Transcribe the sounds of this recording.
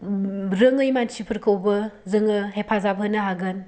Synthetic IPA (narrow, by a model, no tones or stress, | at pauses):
ɾɯŋɯjmansipʰɯɾkʰɯwbɯzɯŋɯhepʰazab̚ɦɯnɯɦaɡɯn